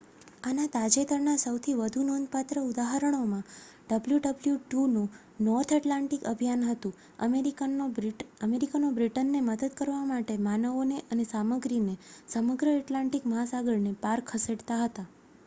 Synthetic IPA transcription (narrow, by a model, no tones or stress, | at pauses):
anat̪ad͡ʒet̪əɾnasəwt̪ʰiʋəd̪ʱunõnd̪̚pat̪ɾəud̪aɦəɾəɽ̃omã | ɖəbljuɖəbljuʈunũ | nɔɾt̪ʰəʈlaɳʈikəbʱijanɦət̪ũ | əmeɾi | əmeɾikanobɾiʈənːeməd̪əd̪kəɾʋamaʈemanəʋoneʔənesaməɡɾinesəməɡɾəɛʈlãɳʈikməɦasaɡəɭnepaɾkʰːəseɖt̪aɦət̪a